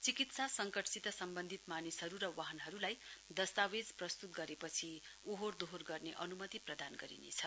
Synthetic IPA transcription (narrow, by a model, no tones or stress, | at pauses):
t͡sikit̪sasʌŋkʌʈsit̪ʌsʌmbʌnd̪ʱit̪manisɦʌɾuɾʌwaɦʌnɦʌɾulajd̪ʌst̪awed͡zprʌst̪ut̪̚ɡʌɾepʌt͡sʰiuɦord̪oɦorɡʌrneʔʌnumʌt̪iprʌd̪anɡʌɾḭnḛt͡sʰʌ